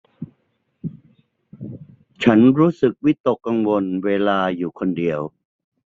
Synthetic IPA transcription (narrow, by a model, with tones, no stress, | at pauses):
t͡ɕʰa˦˥nɾuː˦˥sɯ˨˩k̚wi˦˥t̪o˨˩kːa˧ŋwo˧nweː˧laː˧juː˨˩kʰo˧ndi˧əw